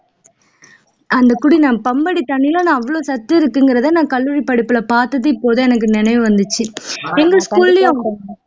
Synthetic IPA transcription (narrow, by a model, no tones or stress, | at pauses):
ʔɐnd̪ɐkʊɽinãːpɐmbɐɽit̪ɐɳːɪlɐnãːɐʋːɐɭoːsɐt̪ːɯɪɾɯkːɯŋɡɪɾɐðɐnãːkɐlːuɾipːɐɽɪpːɯlɐpaːɾt̪ɐðɯpːoːðɯɛnɐk̬ːɯnɪnɐɪʋɯʋɐnd̪ɯt͡ʃːɯɛŋɡɐskuːlːjʊ̃